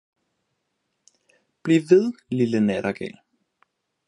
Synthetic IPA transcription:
b̥liʋe̝ðˠlilənɛɾɐɡ̥ɛ̰ːl

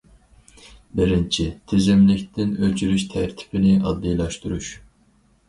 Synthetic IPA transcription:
bɪɾɪnt͡ʃʰit̪ʰezɛmlɪk̚ʲt̪ʰɪnøt͡ʃʰyɾyʃt̪ʰæɾt̪ʰɪ̥pɪnɪʔɑd̪ːijlˠɑʃt̪uɾuʃ

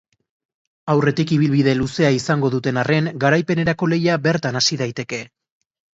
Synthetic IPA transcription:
awre̞t̪ikiβ̞ilβiðe̞luse̞aisaŋɡo̞ðut̪e̞nare̞ŋɡaɾajpe̞ne̞ɾako̞le̞jaβe̞ɾt̪anasiðajt̪e̞ke̞

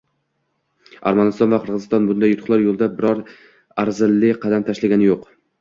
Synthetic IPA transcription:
a̰ɾmanɪst̪ɒnvaqʰɨɾʁɨzɨ̥st̪ɒnbʊnd̪ajːʊt̪ʰʊ̥χlˠaɾjolˠd̪abɪɾɒɾ | aɾzɪlːɪqʰɑd̪amt̪ʰaʃlaɡʲanɪjoq

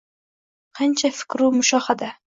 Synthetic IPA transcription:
qʰɑnt͡ʃʰafɪ̥kʲɾumʊʃɒhad̪a

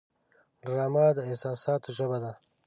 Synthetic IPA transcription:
dɾɑːmɑːd̪əɪhsɑːsɑːt̪oʒəbad̪a

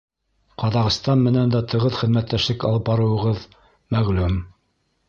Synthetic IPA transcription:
qɑðɑʁɤ̆st̪ɑnmɘ̆nænd̪æt̪ɤ̆ʁɤðχɘ̆ðmæt̪ːæʃlɘkɑlˠɤp̚bɑɾɤ̆wɤ̆ʁɤð | mæʁlʉm

